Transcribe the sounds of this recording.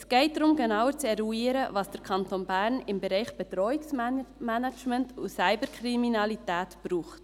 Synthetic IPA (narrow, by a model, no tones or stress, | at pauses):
ɛsɡ̥ɛɪt̚dɾʊmɡenɑwəɾt͡sɛɾuiːɾəvɑsd̥əɾkʰɑntonbæːɾnɪmbɛɾɛɪχb̥ɛt̪ɾɔiksmænat͡ʃməntusæɪbəɾkʰɾiminɑlitæːtb̥ɾuːχt